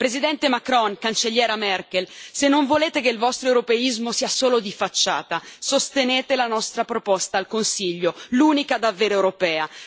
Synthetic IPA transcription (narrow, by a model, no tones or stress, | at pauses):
pɾezid̪ɛnt̪emakɾɔŋkant͡ʃeʎjɛːɾamɛrkelsenːoɱvoleːt̪ekeilvɔst̪ɾoewɾopeizmosiːasoːlod̪ifat͡ʃːa̰ːt̪asost̪eneːt̪elanɔst̪ɾapɾopɔst̪aːlkonsiʎːoluːnikad̪avːeːɾoɛwɾopɛːa